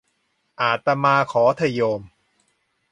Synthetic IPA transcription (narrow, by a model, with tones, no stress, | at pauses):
ʔaː˨˩t̪ːa˧maː˧kʰɔː˩˦t̪ʰa˧joː˧m